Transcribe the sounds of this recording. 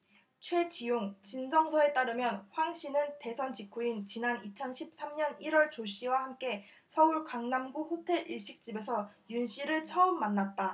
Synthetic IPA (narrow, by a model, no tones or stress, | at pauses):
t͡ɕʰwe̞t͡ɕijoŋt͡ɕinsʰʌŋsʰʌe̞t͈aɾɯmjʌnɸwaŋɕ͈ʰinɯnte̞sʰʌnt͡ɕikʰuint͡ɕinanit͡ɕʰʌnɕʰip̚s͈amɲʌniɾwʌɭt͡ɕoɕ͈iwahamk͈e̞ | sʰʌuɭkaŋnamɡuɸotʰe̞ɾiɭɕ͈ik̚t͡ɕ͈ibe̞sʰʌjunɕ͈iɾɯɭt͡ɕʰʌɯmːanːat̚t͈a